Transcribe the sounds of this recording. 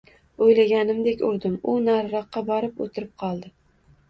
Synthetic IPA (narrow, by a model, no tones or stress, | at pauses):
ojlaɡʲanɪmd̪ekʲʊɾd̪ɪmʊnaɾɾɒqːɑbɒɾɪpo̰t̪ʰɪɾɪp̚qʰɒlˠd̪ɪ